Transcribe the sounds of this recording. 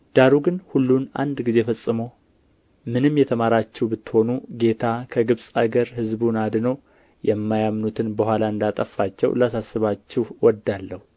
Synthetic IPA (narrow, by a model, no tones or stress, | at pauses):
d̪̥aɾuɡɨnhulːunʔa̰nd̪ɡize̞fəsʼːɨmo | mɨnɨmjɛt̪ʰəmaɾat͡ʃːɛwbɨt̪ːɨ̥ho̞nuɡe̞t̪ʰakʰəɡɨβsʼaɡəɾhɨzbunad̪nəw | jɛmːajamnut̪ʰɨnbəhʷalaɨnd̪at̪ʼəfːat͡ʃːɛ̰wlasasːɨβat͡ʃːɛhwɔd̪alːəhu